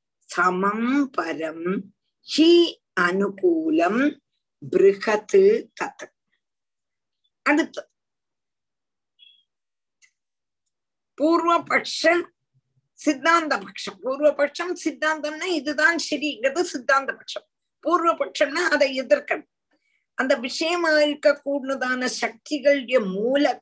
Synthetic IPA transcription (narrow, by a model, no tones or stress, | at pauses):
sɐmɐmpɐɾɐm | ɕi | ɐnupuːlɐm | brihɐt̪ːɨk̪ɐt̪ːɨ̥ | ɐɽut̪ːɐðɨ | puːrʋɐbɐkʂɐm | sɪd̪ːaːnd̪ɐpɐkʂɐmpuːɾʋɐpɐkʂɐmsɪd̪ːaːnd̪ɐmnaɪðɯðaːnsɛɾɪɪŋɡrɐðɯsɪd̪ːaːnd̪ɐpɐkʂɐm | puːɾʋɐpɐkʂɐmnaːɐðɐɛðɪrkɐɽɐ | ʔɐnd̪ɐʋɪʂɐjɐmaːɻkːɐkːuːɽɯnɐðaːnɐʃɐk̚t̪ɪɣɐɭɯɽjɐmuːlɐ